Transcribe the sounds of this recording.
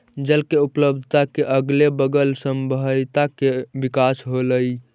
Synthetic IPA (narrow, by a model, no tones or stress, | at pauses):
d͡ʒəlkeupləb̚d̪ʱt̪akeʔəɡlebəɡəlsəmbət̪akebikasɦoləj